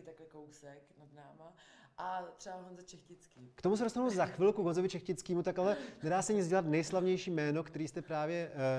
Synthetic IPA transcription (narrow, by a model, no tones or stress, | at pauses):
ɪt̪aklɛkowsɛknad̪naːma | ʔat̪r̥ɛbaɦonzɛt͡ʃɛxcɪt͡skiːkt̪omus̬ɛdost̪anuzaxvɪlkuɡonzovɪt͡ʃɛxcɪt͡skiːmut̪akalɛnɛdaːsɛɲɪd͡zɟɛlat̪nɛjslavɲɛjʃiːmɛːno̞kt̪ɛɾiːst̪ɛpɾaːvjɛ